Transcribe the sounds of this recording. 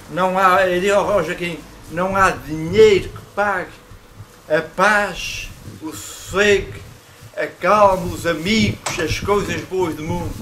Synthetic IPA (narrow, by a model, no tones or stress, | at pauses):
nɐ̃w̃aɐɾiɔʁɔʒɐkĩ | nɐ̃w̃aðiɲejɾukɨ̥paɣ | ɐpaʃuseɣ | ɐkalˠmɐuzɐmiɣuʃɐʃkojzɐʒβoɐʒðumũnd̪u